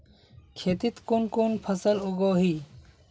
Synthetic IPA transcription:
kʰeːt̪it̪konkonpʰəsəloɡoːɦi

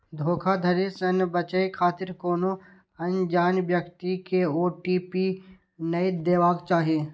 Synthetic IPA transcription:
d̪ʱoːkʰad̪ʱɐɾesɐnbət͡ʃəikʰaːt̪ɪɾkoːno | ɐ̃nd͡ʒaːnʋjəkt̪ikeoːʈipi | nɐid̪eːʋaːɡt͡ʃaːɦieː

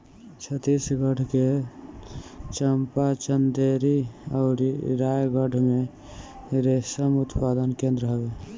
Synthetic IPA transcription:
t͡ʃʰət̪isɡəʈʰke | t͡ʃəmpat͡ʃənd̪eɾiəʊɾiɾajɡəʈme | ɾesəmʊt̪pad̪ənkẽnd̪ɾəɦəbe

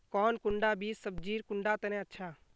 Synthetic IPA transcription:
kɔːnkʊɳɖabiːsːəb̚d͡ʒiːɾkʊɳɖat̪ɐnẽɐtːʃʰaː

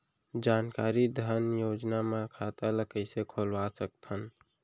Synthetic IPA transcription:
d͡ʒaːnkaːɾid̪ʱənjoːd͡ʒnamẽkʰat̪aləkəɪsekʰoːlʋasək̚t̪ən

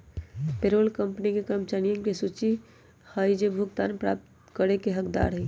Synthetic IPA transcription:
peɾoːlkəmpənikekəmt͡ʃanijə̃ŋkesut͡ʃi | həjd͡ʒebʱukt̪aːnpɾa̰ːp̚t̪ | kəɾekeɦəkd̪a̰ːɾɦɛ

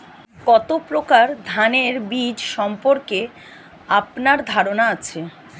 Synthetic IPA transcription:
kɔt̪opɾokaɾd̪ʱaneɾbid͡ʑʃɔmpoɾke | apnaɾd̪ʱaɾonaat͡ɕʰe

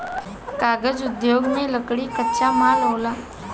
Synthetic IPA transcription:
kaɡəd͡zud̪joɡneləkɽiːkətːɕamalɦola

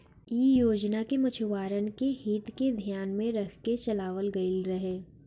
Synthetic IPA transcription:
iːjoːd͡ʒnakemɐt͡ʃʰʊʋaːɾənkehiːt̪ked̪ʱjaːnmẽɾɐkʰket͡ʃɐlaːʋəlɡɐɪlɾɐɦeː

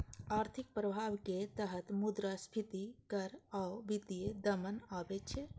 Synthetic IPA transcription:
aːɾt̪ʰɪk̚pɾəbʱaːʋket̪əɦət̪mʊd̪ɾaspʰit̪ikɐɾawʋɪd̪ijed̪ɐmənaːbet͡ʃʰe

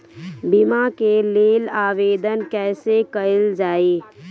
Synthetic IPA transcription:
bɪmakeleːlaːʋeːd̪ənkɛːsekəld͡ʒaːeː

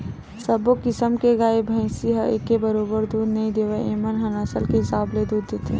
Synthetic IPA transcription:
səbokɪsəmkeɡaːebʱə̃ɪ̃siɦəekːebəɾoːbəɾd̪uːd̪nɐĩd̪eːʋeeːmənɦɐnasəlkeɦɪsaːbled̪uːd̪ːeːt̪ʰḛː

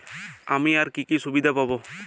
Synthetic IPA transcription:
amiaɾkikisubid̪ʱapabo

